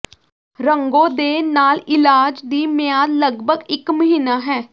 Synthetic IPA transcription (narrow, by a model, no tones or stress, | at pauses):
ɾəŋɡõːd̪eːnaːlɪlaːd͡ʒd̪iːmɪjaːd̪ləɡbʱəɡɪkməɦiːnaːɦɛː